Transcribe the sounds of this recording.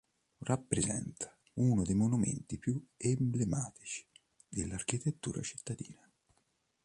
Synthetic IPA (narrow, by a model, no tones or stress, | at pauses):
rʔapːɾezɛ̰nt̪ʰḁ | unʊd̪ejmonumḛnt̪ipjuemblemaːt̪i̥t͡ʃi̥ | d̪elːarkit̪et̪ːṵːɾa̰t͡ʃi̥t̪ːad̪ḭːna